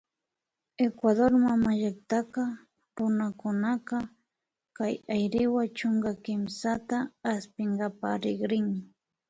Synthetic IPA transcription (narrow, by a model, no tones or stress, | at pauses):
ekwaðoɾmamaʎak̚t̪ɑqɑ | ɾʊnakʊnaqɑ | kajajɾɪwat͡ʃoŋɡakɪmsat̪aːspɪŋɡapaɾɪɡɾɪŋ